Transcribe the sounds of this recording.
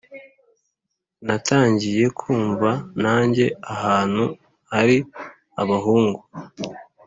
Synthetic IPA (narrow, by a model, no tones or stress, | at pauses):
natʰaːɲɟije̞kʰuːɱvanaːɲɟe̞ahaːn̥hu | haɾi | aβaɦuːŋɡu